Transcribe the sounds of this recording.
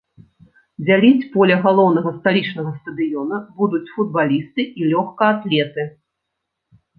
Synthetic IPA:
d͡zʲalʲit͡sʲpɔlʲɐɣalˠɔwn̪ɐɣɐst̪alʲit͡ʂnɐɣɐst̪ɐd̪ɨjɔnɐbud̪ut͡sʲfud̪̚balʲist̪ɨilʲɔxkɐat̪lʲɛt̪ɨ

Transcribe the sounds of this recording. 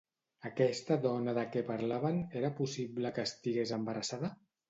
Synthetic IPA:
əkɛst̪əðɔnəðəkɛpaɾlaβəneɾəpusibləkəːst̪iɣezəmbəɾəsaðə

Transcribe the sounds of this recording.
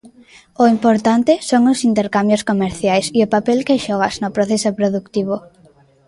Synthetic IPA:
ʊimpoɾt̪ant̪ɪsoŋʊsint̪eɾkambjoskomeɾθjajsiʊpapelkeʃɔɣ̞aznʊpɾoθesopɾoðukt̪iβ̞ʊ

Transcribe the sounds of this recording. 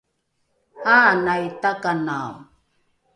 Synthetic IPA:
anajtakana

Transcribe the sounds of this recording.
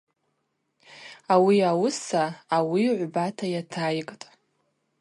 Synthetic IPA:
awiawʊsaːwiʕʷbatʰajatʰajkʼtʼ

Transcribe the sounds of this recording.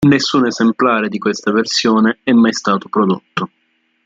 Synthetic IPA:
nesːuːnezemplaːɾed̪ikwest̪aversjoːneɛmːajst̪aːt̪opɾod̪ot̪ːo

